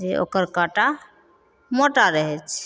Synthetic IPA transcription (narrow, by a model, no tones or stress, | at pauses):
eo̰kəɾkaʈa | moʈaɾəɦɛt͡ʃʰ